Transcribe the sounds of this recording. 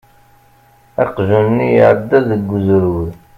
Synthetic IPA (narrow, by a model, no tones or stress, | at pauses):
ɑqʒunnːijəʕəd̪ːæðəɡːzɾwð